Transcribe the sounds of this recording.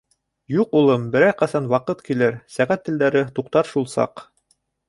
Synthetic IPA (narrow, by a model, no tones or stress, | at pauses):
juqulˠɤmbɘ̆ɾæjqɑsɑnwɑqɤt̪kilɘɾsæʁæt̪ːɘ̆ld̪æɾɘt̪uqt̪ɑɾʃulˠsɑ̰q